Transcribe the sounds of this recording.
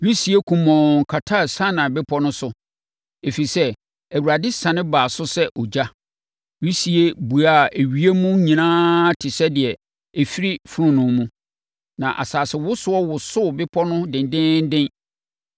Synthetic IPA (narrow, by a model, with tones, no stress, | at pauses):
ɾi˦si˦e˦kʰũ˨mɔ̃˨ŋ˨kʰa˨tʰa˦˨sã˦nã˨bɪ˦pʰɔ˦nʊ̃˦sʊ˨ | e˨fi˨sɛ˦ | æ˨wu˨ɾa˨dɪ˦sã˨nɪ̃˦baː˨sʊ˦sɛ˦ʔɔ˨d͡ʑa˦ | ɥi˦si˨e˦bu˨a˦˨e˨ɥi˦e˦mũ˦ɲĩ˨nãː˦tʰɪ˨sɛ˦dɪ˨ɛ˨ | æ˨fi˦ɾi˦fʊ˦ɾʊ̃˦nʊ̃˨mũ˦ | nã˨ʔa̰˨saː˨sɪ˨wʊ˦sʊ˦ɔ˦wʊ˨sʊ˦˨bɪ˦pʰɔ˦nʊ̃˦dɪ̃˨ndɪ̃˦n˦dɪ̃˦n